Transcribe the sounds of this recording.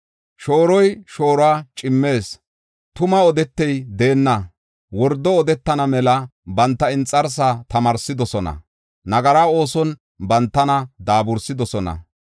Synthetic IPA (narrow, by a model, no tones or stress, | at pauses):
ʃo̞ːɾɔjʃo̞ːɾwaːt͡ʃʼɪmːe̞ːs | t̪ʊmɐɔd̪ɛt̪ːɛjd̪e̞ːnːɐ | wɔɾd̪ːɔɔd̪ɛt̪ːɐnɐmɛlɐbɐnt̪ːɐɪnt͡sʼːɐɾs̬at̪ɐmɐɾsɪd̪ɔsɔnɐ̰ | nɐɡɐɾaːo̞ːsɔn | bɐnt̪ːɐnɐd̪aːbʊɾsɪd̪ɔsɔnɐ̰